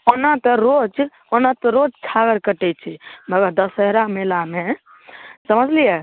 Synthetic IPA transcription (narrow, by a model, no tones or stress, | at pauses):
onat̪ɾod͡ʒ | onat̪ɾod͡ʒt͡ʃʰaɡəɾkəʈɛt͡ʃʰibʱəɡad̪əsəɦɾamelame | səməd͡ʒlije